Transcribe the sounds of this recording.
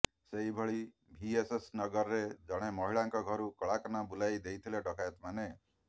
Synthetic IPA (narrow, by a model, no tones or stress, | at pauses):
seɦibʱɔɭi | bʱiesesnɔɡɔɾɔɾed͡ʒɔɽ̃emɔɦiɭaŋkɔɡʱɔɾukɔɭakɔnabulajd̪ejt̪ʰileɖɔkajɔt̪mane